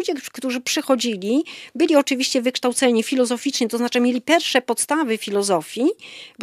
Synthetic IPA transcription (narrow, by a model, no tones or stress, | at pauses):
d͡ʑɛkt̪uʐɘpʂɘxɔd͡ʑilʲibɘlʲiɔt͡ʂɘvʲiɕt͡ɕɛvɘkʂt̪awt̪sɛɲifʲilɔzɔfʲit͡ʂɲɛt̪ɔznat͡ʂɘmʲjelʲipʲjɛɾfʂɛpɔt̪st̪avɘfʲilɔzɔfʲjib